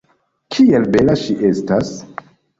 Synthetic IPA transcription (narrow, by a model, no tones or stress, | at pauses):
kʰie̞lbe̞laʃiʔe̞stas